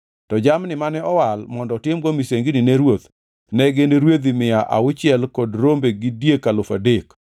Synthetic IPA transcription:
tɔd͡ʒamnɪmanɛɔwalmɔndɔtɪmɡomiseŋɡinɪneɾwot̪ | nɛɡenɾwed̪imɪjaʔa̰ʊt͡ʃɪɛlkodɾombeɡidjekːalofadek

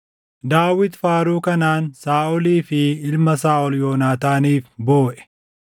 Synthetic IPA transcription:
d̪aːwɪt̪faːɾuːkɐnaːnsaːʔɔliːfɪɪlmɐsaːʔɔljoːnaːt̪aːniːfboːʔɛ̥

